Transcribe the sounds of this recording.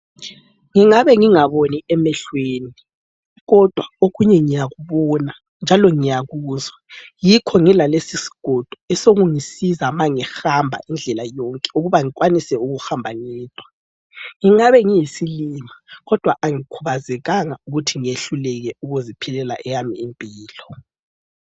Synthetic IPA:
ŋiŋaβɛŋiŋaβoniɛmɛɬweːni | ɣɔd̥ʱwaoɣuɲɛŋijaɣuβɔna | nd͡ʒʱalɔŋijaɣuːzajikʰɔŋilalesisi̥ɡ̥ʱɔd̥ʱɔɛsoɣuŋisizamaŋixambʱa̰ʔind͡ɮʱɛlajɔŋkʼɛ̥uɣuβaŋik̬ʼwanisɛuɣuxambʱaŋiːd̥ʼʱwa | ŋiŋaβɛŋijisilimaɣɔd̥ʱwaʔaŋikʰuβazɛɣaŋauɣutʰiŋieɬulɛɣɛuɣuzipʰilɛla̰ʔɛjamiːmpʼiːlɔ

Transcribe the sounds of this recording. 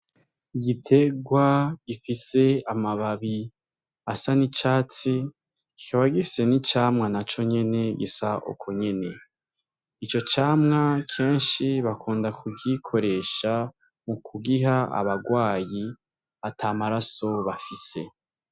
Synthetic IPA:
iɡitʰe̞ɡwaɡ̥ifise̞amaβaβi | asanit͡ʃaːt͡si | ɡikʰaβaɡifi̥se̞nit͡ʃaːmŋanat͡ʃo̞ɲe̞ne̞ɡisaʔo̰kʰoɲe̞ne̞ | it͡ʃo̞t͡ʃaːmŋakʰe̞ːnʃiβakʰuːndakʰubɟikʰo̞ɾe̞ːʃa | mukuɡiɦaa̰βaɡwaːji | atʰamaɾaso̞βafise̞

